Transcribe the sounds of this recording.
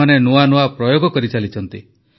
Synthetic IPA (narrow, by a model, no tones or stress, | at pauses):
anenuanuapɾɔjoɡɔkɔɾit͡ʃalit͡ʃʰɔnt̪i